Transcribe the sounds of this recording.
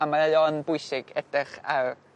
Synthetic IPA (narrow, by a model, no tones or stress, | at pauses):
amaajɔnbʊjsɪɡ̥ɛd̥rɪχa